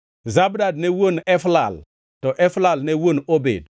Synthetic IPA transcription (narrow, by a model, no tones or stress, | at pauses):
zabdad̚newonɛflal | tɔʔɛflalnewonobḛd̚